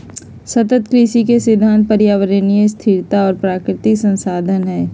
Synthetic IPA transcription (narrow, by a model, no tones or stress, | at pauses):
sɐt̪ət̪kɾiʃikesɪd̪ʱːaːnt̪̚pəɾjaːʋəɾənijəst̪ʰɪɾt̪aɔːɾpɾaːkɾɪt̪ɪksə̃nsaːd̪ʱənɦɛː